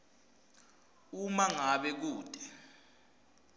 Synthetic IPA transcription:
umaŋaɓɛk̬uːd̥ʱʼɛ̥

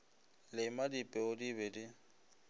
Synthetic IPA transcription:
lɪmadipʼɛʊdibɛdɪ

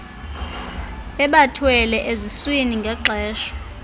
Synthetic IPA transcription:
ɛɓatʰwɛlɛʔezisweniŋɡʱaǃʱɛːʃɔ̥

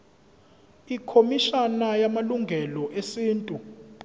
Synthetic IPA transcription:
ikʰomiʃanajamaluŋɡʱɛlɔʔesiːntʼu

